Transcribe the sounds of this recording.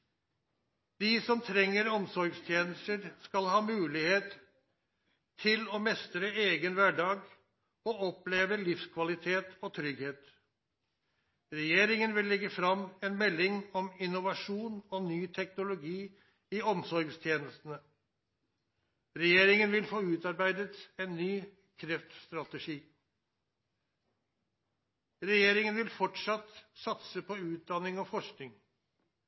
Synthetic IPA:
d̪̥iːsɔmt̪ʰɾɛŋːəɾɔmsɔɾɡst̪ʰjeːnəst̪əɾskɑlhɑːmʉːlɪheːt̪ | ɪlɔmɛst̪ɾəeːɡənʋæɖɑːɡ | ɔːɔpleːʋəlɪfskʰʋɑlɪt̪ʰeːt̪ɔt̪ʰɾʏɡheːt̪ | ɾɛjeːɾɪŋənʋɪlːɛɡːəfɾɑmɛnmɛlːɪŋɔmɪnʊʋɑʂuːnɔnyːt̪ʰɛknʊlʊɡiː | iɔmsɔɾɡst̪ʰjeːnəst̪ənə | ɾɛjeːɾɪŋənʋɪlfoːʉːt̪ɑɾbæɪd̪ət̪eːnːyː | kʰɾɛft̪st̪ɾɑt̪əʂiː | ɾɛjeːɾɪŋənʋɪlfɔʈʂɑt̪sɑt̪səpʰɔʉːt̪̚d̪ɑnɪŋɔfɔʂknɪŋ

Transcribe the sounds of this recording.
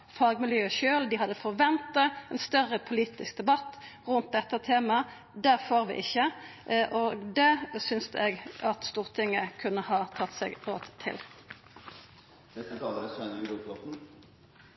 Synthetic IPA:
fɑːɡmɪljøːəʃøːld̪ɪɦɑd̪ːəfɔʁʋɛnt̪ɑɛnst̪œʁəpʰʊliːt̪ɪsk̚d̪ɛbɑt̪ːʁʉnt̪̚d̪ɛt̪ːɑt̪ʰeːmɑ | d̪æʁfɔɾʋɪ̰ʔɪçːəʔʔoɡd̪ɛsʏnsd̪ɛɡɑt̪st̪uːʁt̪ʰɪŋːəkʰʉnːəhɑːt̪ʰɑt̪ːsɛ̰ːɡo̰ːt̪ʰːɪ̰l | d̪̥ɛt̪ət̪ʰɑləɾɛsænːɾupɔt̪n̩

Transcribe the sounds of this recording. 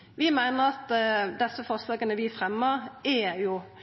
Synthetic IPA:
ʋɪmæɪnəɾɑt̪d̪ɛsːəfɔslɑːɡənəʋɪfʁɛmːəʁæjʊ

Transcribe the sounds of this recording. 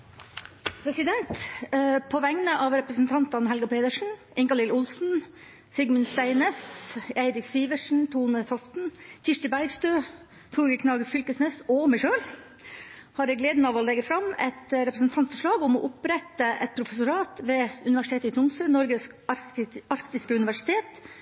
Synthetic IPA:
pʰɾɛsɪd̪ɛnt̪pʰɔʋɛŋnəʔɑʋɾɛpɾəsn̩t̪ʰɑnt̪ɑnɦɛlɡʊpʰeːd̪əʂɳ̩ | ɪŋkɑlɪlʊlsn̩ | sɪɡmənst̪æɪneːsæɪɾɪksiːʋəʂɳ̩t̪ʰuːnət̪ʰɔft̪n̩çɪʂʈɪbæɾɡst̪øː | t̪ʰuɾɡəkʰnɑːɡəɾfʏlkəsnɛːsɔmæɪʃøːl | hɑɾɛɡleːd̪n̩ɑʋɔlɛɡəfɾɑmɛ̰t̪ɾɛpɾəsn̩t̪ʰɑnt̪fɔʂɭɑːɡʊmɔ̰ʔʊpɾɛt̪ːəʔɛt̪̚pʰɾʊfɛsʊɾɑːt̪ʋeːʉnɪʋæʂɪt̪eːt̪əɪt̪ʰʊnsønɔɾɡəsk | ɑɾkt̪ɪskəʉnɪʋæʂɪ̥t̪ʰeːt̪

